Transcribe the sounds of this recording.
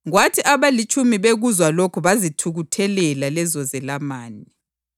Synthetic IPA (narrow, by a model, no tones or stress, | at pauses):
ɣwatʰiʔaβalit͡ʃʰʼumiβeɣuzwalokʰuβazitʰuɣutʰɛlɛlalɛzɔzɛlamaːni